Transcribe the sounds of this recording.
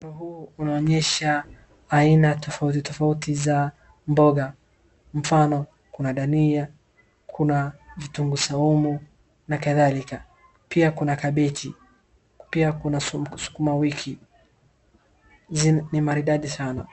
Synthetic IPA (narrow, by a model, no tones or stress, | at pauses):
fanɔɦuːunaɔɲɛʃaː | inatɔfautitɔfautiza | mbɔɡa | m̩fanɔ | kunaɗania | kʰunavituŋɡusaumu | nakaðalika | piakunakaɓɛtʰḭ | piakunasu̥kumawikʰi | zinimaɾiɗaɗisana̰